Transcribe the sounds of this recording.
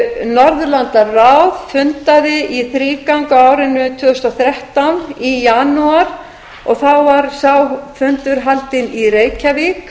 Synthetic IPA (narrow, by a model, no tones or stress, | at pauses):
nɔɾðʏlant̪arawðfʏnt̪aðɪʔiθɾiːkawŋkaaːwɾɪnːʏt̪ʰvʏːðʏst̪awθɾɛht̪anijanuaɾ̥ | ɔɣθawvaɾsaːwfʏnt̪ʏɾ̥ɦalt̪ɪniɾeːjcʰavik